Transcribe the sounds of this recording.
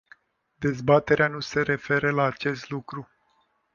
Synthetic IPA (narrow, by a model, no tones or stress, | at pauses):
d̪e̞zbat̪e̞ɾeanuse̞ɾe̞fe̞ɾəlaːt͡ʃe̞st̪lukɾu